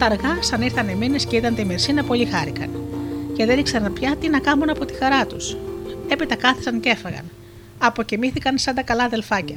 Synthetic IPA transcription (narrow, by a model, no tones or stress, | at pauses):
t̪ɐɾɣɐsɐniɾθɐneminesceit̪ɐnt̪imeɾsinɐpo̞lixɐɾikɐ̰nceðeɾiksɐnpçɐt̪inɐkɐmunɐpo̞t̪i̥xɐɾɐt̪use̞pit̪ɐkɐθi̥sɐnce̞fɐɣɐ̰n | ɐpo̞cimiθikɐnsɐnd̪ɐkɐlɐðe̞lfɐcɐ